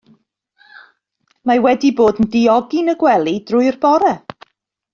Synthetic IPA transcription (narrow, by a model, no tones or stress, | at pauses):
mawɛdiboːdn̩dɪɔɡinəɡwɛlˠid̥rʊɨrbɔɾɛ